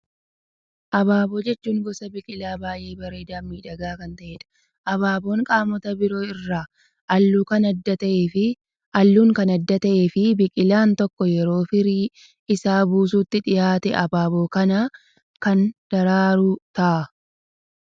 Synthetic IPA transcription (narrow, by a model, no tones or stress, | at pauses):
ʔɐbaːboːd͡ʒɛt͡ʃːuːŋɡɔsɐbɪkʼɪlaːbaːje̞ːbɐɾe̞ːd̪aːmːiːᶑɐɡaːkɐnt̪ɐʔeːᶑɐ̥ | ʔɐβaːbo̞ːŋkʼaːmɔt̪ɐbɪɾo̞ːɪrːaː | ʔɐlːuːkɐnɐd̪ːɐt̪ɐʔeːfɪ | ʔɐlːuːŋkɐnɐd̪ːɐt̪ɐʔeːfɪbɪkʼɪlaːnt̪ɔkːɔjɛɾo̞ːfɪɾiː | ɪsaːbuːs̬uːt̪ːɪᶑɪjaːt̪ɛ̰ʔɐbaːbo̞ːkɐnaː | kɐnd̪̥ɐɾaːɾʊt̪ɐʔɐ